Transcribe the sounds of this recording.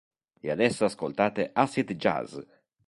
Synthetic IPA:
ead̪ɛsːoaskolt̪aːt̪eʔasit̪d͡ʒa̰z

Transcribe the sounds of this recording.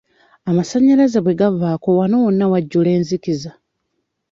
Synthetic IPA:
amasaɲːalazaβwe̞ɡavːaːko̞wano̞wonːawaɟːule̞ːnzikiza

